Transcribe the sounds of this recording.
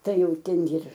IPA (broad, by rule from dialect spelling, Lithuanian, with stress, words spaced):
ˈtɐɪ ˈjɛʊ ˈtʲɛn jɪr